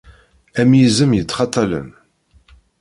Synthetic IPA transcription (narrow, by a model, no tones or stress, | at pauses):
æmjizəmjət͡sːχɑt̪ˤːɑlə̰n